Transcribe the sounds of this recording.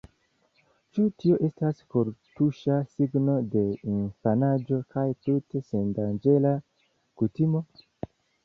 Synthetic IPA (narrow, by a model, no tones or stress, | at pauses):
t͡ʃutio̞ʔe̞staskoɾtuʃasiɡno̞de̞infanad͡ʒo̞kʰajtute̞se̞ndand͡ʒe̞la | kutimo̞